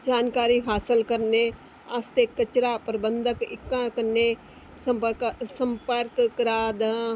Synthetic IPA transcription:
d͡ʒaːnkaːɾiːɦaːsəlkəɾneː | ast̪eːkət͡ʃɾaːpəɾəbənd̪əkɪ̰kːãːkəɾneː | səsəmpəɾkkɾaːd̪

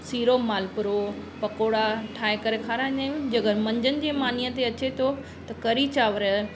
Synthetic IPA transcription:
siːɾomaːlpʊɾo | pɐkoːɽaʈʰaːekɐɾekʰaːɾãnẽd͡ʑɐɡəɾmɐ̃ɲd͡ʑənɪ̆d͡ʑeːmaːnijət̪eɐt͡ɕet̪ʰo | t̪ɐkɐɾit͡ɕaːʋəɾə

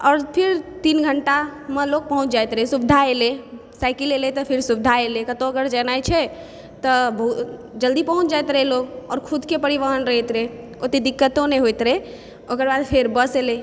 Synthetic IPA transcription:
ɔːɾpʰiɾt̪inɡʱəɳʈamelok̚pəɦũt͡ʃʰd͡ʒajt̪ɾɛsubd̪ʱaele | sajkilelet̪ɔpʰiɾsubd̪ʱaelekət̪õəɡəɾd͡ʒənajt͡ʃʰɛ | t̪ɔbəɦu | d͡ʒəld̪ipəɦũt͡ʃʰd͡ʒajt̪ɾɛɦloɡɔ̰ːɾkʰud̪ʱkepəɾiʋəɦənɾəɦt̪ɾɛ | ot̪ed̪ikːət̪õneɦojt̪ɾɛ | okəɾbad̪pʰeɾbəsele

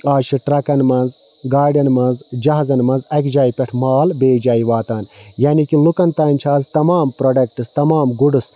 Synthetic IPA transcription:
aːʃʰiʈɾɐkɐnmɐnz | ɡaːɾɖɐnmɐnzd͡ʒɐɦzɐnmɐnzɐkd͡ʒaːipʲɛʈʰmaːlbeːd͡ʒaːiʋaːt̪aːn | jaːnikilukɐnt̪aːnʲt͡ʃʰaːzt̪ɐmaːmpɾoɖɐk̚ʈɨst̪ɐmaːmɡuɖɨs

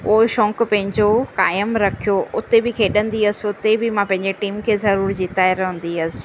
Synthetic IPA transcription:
poːɪʃɔ̃ːkʊpɐ̃ɦɪ̃ɲd͡ʑokaːjəmɾɐkʰijoʔʊt̪ebɪkʰeːɗə̃nd̪iəsʊt̪ebɪmãpɐ̃ɦɪ̃ɲd͡ʑeʈiːmkʰeːzɐɾuːɾd͡ʑiːt̪aːɪɾɦũːn̆d̪iɐsɪ̥̆

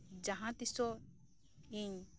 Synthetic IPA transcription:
d͡ʒaɦãt̪isɔ | iɲ

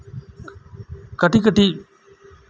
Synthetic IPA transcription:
kəʈikəʈi

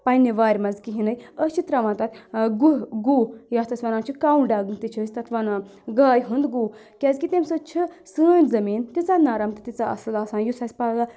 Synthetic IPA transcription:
pɐnːiʋaːɾʲmɐnzkiɦinɐjəst͡ʃit̪ɾɐʋãːnt̪ɐt̪ʰɡuɡuːjaːst̪ɐsʲʋɐnãːnt͡ʃʰikaːuɳɖaːɡɨnt̪it͡ʃʰəːsʲt̪ɐt̪ʰʋɐnaɡaːjɦund̪ɡuː | kʲɐzkit̪emsɨt͡ʃʰisəːnʲzɐmiːnt̪it͡sanaːɾɐmt̪ɨt̪it͡saɐ̰slaːsaːnjusɐsʲpaa

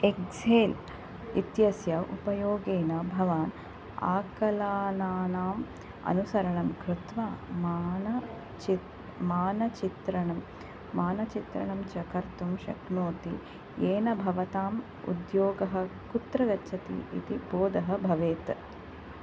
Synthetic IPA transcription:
ekd͡ʒeːl | ḭt̪jɐsjɐʔṵpɐjoːɡeːnɐbʱɐʋaːn | a̰ːkɐlaːnaːnaːm | ɐ̰nusɐɾɐɳɐmkɾɪt̪ʋamnɐ | maːnɐt͡ʃit̪ɾɐɳɐmː | aːnɐt͡ʃit̪ɾɐ̰ɳɐmt͡ʃɐkɐɾt̪umʃɐ̰knoːt̪ḭ | eːnɐbʱɐʋɐt̪aːm | ṵd̪joːɡɐɦɐ̆kut̪ɾɐɡɐtːʃʰɐt̪ḭḭt̪iboːd̪ɐɦɐ̆bʱɐʋeːt̪

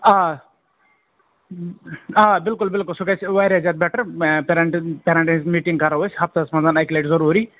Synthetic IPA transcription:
a | aːbɪlkulbɪlkʊlsukɐt͡ʃʰʋɐɾʲad͡ʒaːt̪̚bɛʈɐɾpeɾɐɳʈpeːɾɐɳʈɐnizmiːʈiŋɡkɐɾɐʋɐsɦɐp̚t̪ɐsmɐnzaːnɐjkʲileʈzɐɾuːɾi

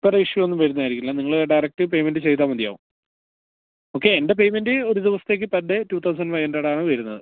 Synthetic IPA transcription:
pːɐreiʂjɐonːumʋɐɾunːaːjiɾikʲːilːɐniŋːɐɭɖɐjrɐk̚ʈɨpe̞jmendɨt͡ɕejt̪ːaːmːɐd̪ija̰ːʋum | o̞ːkːe̞ːnde̞pe̞jme̞ndɨo̞ɾud̪iʋɐsɐ̥t̪ːe̞ːk̬ːɨpɐdːetuːt̪ʰɐws̬ɐnɖfɐjɐndɐɽaːɳɨʋɐɾunːɐðɨ

